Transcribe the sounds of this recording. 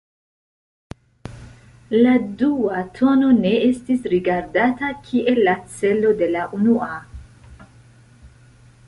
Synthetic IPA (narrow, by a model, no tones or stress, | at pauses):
laduatʰo̞no̞ne̞estisɾiɡaɾdatakʰiʔe̞lːat͡se̞lo̞de̞laʔunua